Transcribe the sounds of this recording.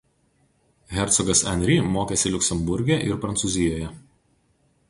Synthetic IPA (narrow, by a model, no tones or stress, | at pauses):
ɣʲɛɾʲt̪sɔɡɐsɐnʲɾʲimoːkʲeːsʲɪlʲʊkʲsʲɛmbʊɾʲɡʲɛˑʔɪɾpɾɐnt̪suːˑzʲɪjoːjɛ